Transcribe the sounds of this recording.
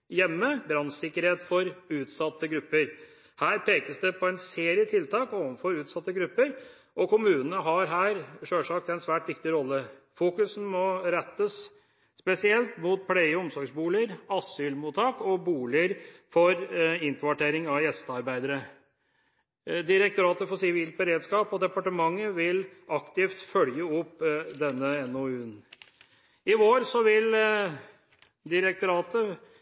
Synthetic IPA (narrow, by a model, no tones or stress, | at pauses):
jɛmːəbɾɑnsɪkːəɾheːt̪fɔɾʉːt̪sɑt̪ːəɡɾʉpːəɾ | hæːɾpʰeːkəsd̪ɛpʰɔɛnseːɾɪət̪ʰɪlt̪ʰɑːkɔʋənfɔɾʉːt̪sɑt̪ːəɡɾʉpːəɾ | ʔɔkʊmʉːnənəɦɑɾɦæːɾʂøːʂɑːkt̪ɛɪnsʋæːʈʋɪkt̪ɪɾɔlːəfuːkʉsn̩mɔɾɛt̪ːəs | spɛsɪɛlt̪mʊt̪̚pʰlɛɪəɔmsɔɾɡsbuːlɪəɾɑsʏlmuːt̪ʰɑːkɔbuːlɪəɾfɔɾɪnt̪ɾʋɑʈeːɾɪŋɑʋjɛst̪əɑɾbæɪd̪əɾə | d̪ɪɾɛk̚t̪ʊɾɑːt̪əfɔɾsɪʋiːlt̪̚bəɾeːd̪skɑːpɔd̪ɛpɑʈəmɑŋːəʋɪlɑkt̪ɪft̪fœljəɔpːd̪ɛnːəɛnoʉːn | ɪʋoːɾsɔʋɪl | d̪ɪɾək̚t̪ʊɾɑːt̪ə